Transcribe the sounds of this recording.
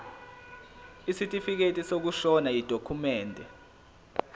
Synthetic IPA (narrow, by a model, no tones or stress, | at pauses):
isitʼifik̬etʼisok̬uʃɔnajid̥ʱokʰumɛːndʱɛ